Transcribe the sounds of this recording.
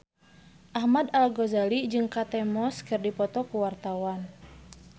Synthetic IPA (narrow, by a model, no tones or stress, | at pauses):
ʔahmad̪alɡɔzalid͡ʒɨŋkat̪ɛmɔskɨrdipɔt̪ɔkuwart̪awan